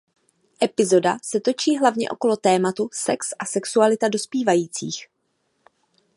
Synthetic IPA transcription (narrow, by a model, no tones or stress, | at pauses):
ʔɛpɪzo̞dasɛt̪o̞t͡ʃiːɦlavɲɛ̰ʔo̞̰ko̞lo̞t̪ɛːmat̪usɛksʔasɛksualɪt̪ado̞spiːvajiːt͡sḭːx